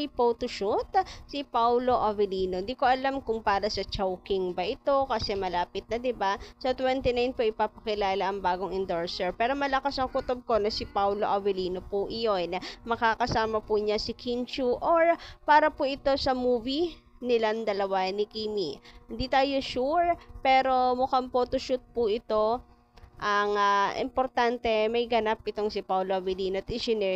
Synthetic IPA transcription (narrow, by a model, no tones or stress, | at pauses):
jpowt̪oʃut̪sɪpawlo̞ʔɐvɪliːnond̪iːkoʔɐlamkʊŋpaːɾɐsɐt͡ʃowkɪŋbɐʔɪt̪o̞kɐsɛmɐlaːpɪt̪̚nɐd̪ɪbasɐt̪wɛnt̪ɪnajnpoʔɪpaːpɐkɪlaːlɐʔɐŋbaːɡo̞ŋɪnd̪oɹsɛɹpɛːɾo̞mɐlɐkasɐŋkʊt̪ob̚ko̞nɐsɪpawloʔɐvɪliːnopuʔɪjonɐmɐkakɐsaːmɐpʊɲasɪkʰint͡ʃuʔoɹpaːɾɐpuʔɪt̪o̞sɐmuːvi | nɪland̪ɐlɐwanɪkimihɪnd̪iːt̪aːjo̞ʃuɹpɛːɾo̞mʊkampoːt̪oʃut̪̚pʊʔɪt̪o̞ | ʔɐŋɐʔɪ̰mpoɾt̪ant̪ɛmɐjɡɐnap̚ʔɪt̪o̞ŋsɪpawloʔɐvɪliːnoɐt̪ɪd͡ʒɪnɛ